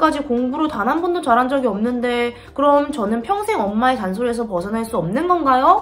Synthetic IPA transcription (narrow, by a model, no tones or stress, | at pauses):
k͈ad͡ʑikoŋbuɾotanɦanbundot͡ɕaɾand͡ʑʌɡiʌmnɯnde̞ | kɯɾʌmt͡ɕʌnɯnpʰjʌŋsʰe̞ŋʌmːaetansʰoɾe̞s̬ʰʌpʌsʰʌnɦaɭs͈uʌmnɯnɡʌnɡajo